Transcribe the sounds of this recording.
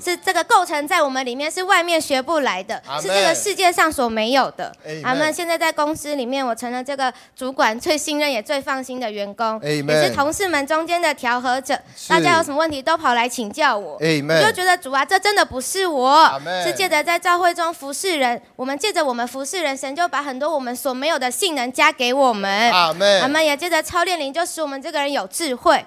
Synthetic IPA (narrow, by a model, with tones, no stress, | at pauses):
ʂɻ̩˥˧ʈ͡ʂɤ˥˩ɡə˩ko˥˩ʊʈ͡ʂʰɤ˧˥ŋt͡sa˥˩ɪwɔ˨˩mə˦nli˨˩mjɛ˥˧nʂɻ̩˥˧wa˥˧ɪmjɛ˥˩nɕɥɛ˧˥pu˥˩la˧˥ɪd̪ə˧ɻ̩˥˧ʈ͡ʂɤ˥˩ɡə˨˩ʂɻ̩˥˧t͡ɕjɛ˥˧ʂɑ˥˩ŋswɔ˨˩me˧˥ɪjo˨˩ʊd̪̥ə̰˦a˧˥˩mə˨ɕjɛ˥˧nt͡sa˥˧ɪt͡sa˥˩ɪkʊ˥ŋs̩˥li˨˩mjɛ˥˩nwɔ˨˩ʈ͡ʂʰɤ˧˥ŋlə˨ʈ͡ʂɤ˥˩ɡə˩ | ʈ͡ʂu˧˥kwa˨˩nt͡swe˥˩ɪɕi˥˧ŋɻə˥˩njɛ˨˩t͡swe˥˧ɪfɑ˥˩ŋɕi˥nd̪ə˨ɥɛ˧˥nkʊ˥ŋɛ˨ʂ̩˥˩t̪ʰo˧˥ŋʂɻ̩˥˩mə˧˦nʈ͡ʂʊ˥ŋt͡ɕjɛ˥nd̪ə˨t̪ʰjɑ˧˥ʊxɤ˧˥˦ʈ͡ʂɤ˨˩˦ʂa˥˧˩ja˥jo˧˥ʊʂə˨˩mə˧wə˥˩nt̪ʰi˧˥t̪o˥ʊpʰɑ˨˩ʊla˧˥ɪt͡ɕʰi˨˩ŋt͡ɕjɑ˥˩ʊwɔ˨˩˦t͡ɕjo˥˩ʊt͡ɕɥɛ˧˥d̪ə˧ʈ͡ʂu˨˩a˦ʈ͡ʂɤ˥˩ʈ͡ʂə˦˥nd̪ə˨pu˧˥ʂɻ̩˥˩wɔ˨˩˦ʂɻ̩˥˧t͡ɕjɛ˥˩d̪ə˨t͡sa˥˧ɪt͡ɕɑ˥˧ʊxwe˥˩ɪʈ͡ʂʊ˥ŋfu˧˥ʂɻ̩˥˩ɻə˧˦˥nwɔ˨˩mə˧˦nt͡ɕjɛ˥˩ʈ͡ʂə˨˩wɔ˨˩mə˧˦nfu˧˥ʂɻ̩˥˩ɻə˧˥nʂə˧˥nt͡ɕjo˥˩ʊpa˧˥xə˨˩nt̪wɔ˥wɔ˨˩mə˧˦nswɔ˨˩me˧˥ɪjo˨˩d̪ə˦ɕi˥˩ŋnə˧˥ŋt͡ɕja˥ke˧˥ɪwɔ˨˩mə˦n˧˨a˨˩mə˧˦njɛ˨˩t͡ɕjɛ˥d̪ə˨ʈ͡ʂʰɑ˥ʊljɛ˥˩nli˧˥nt͡ɕjo˥˧ʊʂɻ̩˥˩wɔ˨˩mə˦nʈ͡ʂɤ˥˩ɡə˩ɻə˧˦njo˨˩ʊʈ͡ʂɻ̩˥˧xwe˥˩ɪ